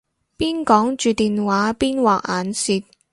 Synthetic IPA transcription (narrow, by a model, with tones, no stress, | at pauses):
piː˥nkɔː˨˥ŋt͡ʃyː˨˧t̪iː˨nwaː˨˥piː˥nwaː˨k̚aː˨˥nsiː˧t̚